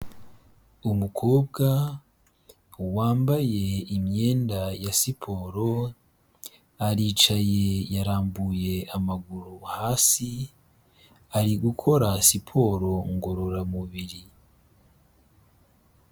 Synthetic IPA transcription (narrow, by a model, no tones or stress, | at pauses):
umukʰo̞ːbɡa | waːmbaje̞imɲeːndajasipʰo̞ːɾo̞ | aɾiːt͡ʃaje̞jaɾaːmbuje̞amaɡuɾuhaːsi | aɾiɡukʰo̞ɾasipʰo̞ːɾo̞ŋɡo̞ɾoɾamuβiɾi